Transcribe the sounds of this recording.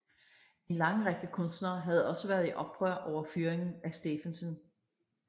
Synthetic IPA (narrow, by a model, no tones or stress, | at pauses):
e̝nlɑ̈ŋəʁeɡ̥̚d̥əkʰɔ̽nsd̥nɐːɦæð̞̩ˠɒ̽səʋæːɐðˠiʔɒ̽b̥ʁɶɐ̰ʔɒʊ̰ɐfyːɐeŋn̩æsd̥e̝fænsɔn